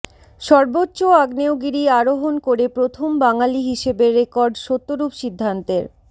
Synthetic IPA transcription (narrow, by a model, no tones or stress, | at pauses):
ʃɔɾbotːɕoaɡneoɡiɾiaɾoɦonkoɾepɾot̪ʰombaŋaliɦiʃebeɾːekɔɾɖʃot̪ːoɾupʃid̪ʱːant̪eɾ